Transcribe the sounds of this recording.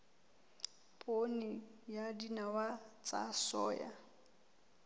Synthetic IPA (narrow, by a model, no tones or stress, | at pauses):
pʼonijadinawat͡sʼa̰sɔ̰ːja̰